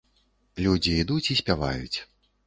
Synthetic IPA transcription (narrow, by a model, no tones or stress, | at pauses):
lʲud͡zʲiːd̪ut͡sʲisʲpʲava̰jṵt͡sʲ